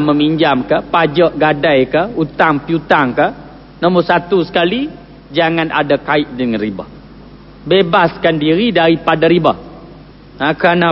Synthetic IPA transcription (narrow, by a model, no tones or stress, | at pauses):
məmiɲd͡ʒamkəhpad͡ʒəʔɡadajkəhut̪aŋpiut̪aŋkə | nəmʊsat̪usə̥kali | d͡ʒaŋana̰dakaɪt̪̚dəŋanriba̰h | bebaskandiɾidaɾipadaɾibəh | akɾana